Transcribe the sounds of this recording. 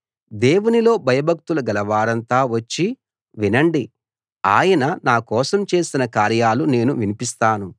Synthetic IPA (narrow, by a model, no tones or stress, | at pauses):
d̪e̞ːwunilo̞ːbʱɐjɐbʱɐk̚t̪ulɐɡɐlɐʋaːɾɐnt̪aːʋɐt͡ʃːi | ʋinɐɳɖi | aːjɐnɐnaːkɔːsɐmt͡ʃe̞ːsinɐkaːɾjaːlune̞ːnuʋinipist̪aːnu